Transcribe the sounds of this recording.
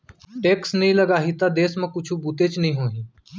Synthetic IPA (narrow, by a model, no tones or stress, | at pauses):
ʈeːksnɐɦĩləɡaːɦit̪ad̪eːsmẽkʊt͡ʃʰubuːt̪et͡ʃnɐɦĩɦoːɦĩː